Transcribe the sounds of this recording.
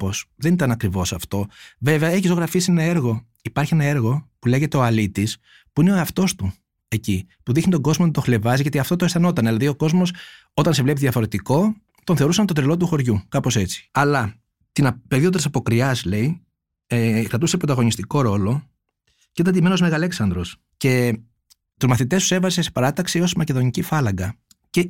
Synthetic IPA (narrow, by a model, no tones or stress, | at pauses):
posðe̞nit̪ɐnɐkɾivo̞sɐft̪o̞ve̞veɐe̞çist̪oɣɾɐfisie̞nɐe̞ɾɣo̞ | ipɐɾçienɐe̞ɾɣo̞pule̞ʝe̞t̪e̞o̞ɐlit̪is | puineoɐft̪o̞st̪u | e̞cipuðixnit̪o̞ɡo̞zmonet̪o̞xle̞vɐziʝɐt̪iɐft̪ot̪oesθɐno̞t̪ɐnðilɐðio̞ko̞zmo̞s | o̞t̪ɐnse̞vle̞piðiɐfo̞ɾe̞t̪iko̞ | t̪oθe̞ɾusɐnt̪o̞t̪ɾilo̞t̪̬uxo̞ɾʝukɐpo̞se̞t͡s̪i̥ɐlɐ | t̪inɐpeðiot̪isɐpo̞kɾiɐsle̞i | ekɾɐt̪use̞pɾot̪ɐɣo̞nist̪iko̞ɾo̞lo̞ | ceit̪ɐnd̪imenozmeɣɐle̞ksɐnd̪ɾos | ce̞ | t̪uzmɐθit̪e̞st̪usevɐze̞sepɐɾɐt̪ɐksio̞smɐce̞ðo̞nicifɐlɐŋɡɐ | ce